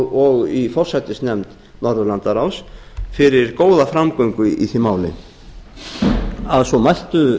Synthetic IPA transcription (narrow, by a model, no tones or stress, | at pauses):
ɔɣifɔr̥sajt̪ɪsnɛmt̪ | nɔɾðʏɾlant̪aɾaws | fɪɾɪɾkoːwðafɾamkœɥŋkʏʔḭθɪmaːwlɪ̰n | aðsɔmajl̥t̪ʏ